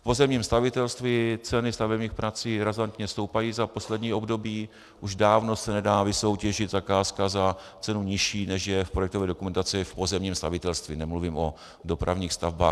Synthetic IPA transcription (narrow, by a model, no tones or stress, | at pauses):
fpo̞zɛmɲiːmst̪avɪt̪ɛlst̪vɪt͡sɛnɪst̪avɛbɲiːxpɾat͡siːɾazant̪ɲɛfst̪owpajiːzapo̞slɛdɲiːo̞bdo̞biː | ʔuʒdaːvno̞sɛnɛdaːvɪso̞wcɛʒɪd̪zakaːskaza | t͡sɛnuɲɪʃiːnɛʃjɛfpɾo̞jɛkt̪ovɛːdo̞kumɛnt̪at͡sɪfpo̞zɛmɲiːmst̪a̰vɪt̪ɛlst̪vɪnɛmluvimo̞ | do̞pɾʔavɲiːxst̪avba̰ː